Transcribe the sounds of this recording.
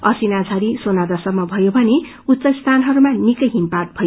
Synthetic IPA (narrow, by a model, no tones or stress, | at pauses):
ʌsinad͡zʰʱʌɾisonad̪ʌsʌmːʌbʱʌjobʱʌne | ut̪ːsʌst̪ʰanɦʌɾumanikʌjɦimpart̪̚bʱʌjo